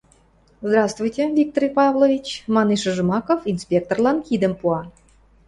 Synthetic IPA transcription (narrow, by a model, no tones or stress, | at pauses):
zd̪ɾɑst̪vujtʲevʲik̚t̪oɾʲjpɑvlˠovʲit͡ɕmɑniʃə̆ʒɨ̆mɑkofinspʲek̚t̪orlˠɑnxʲid̪ə̆mpuɑ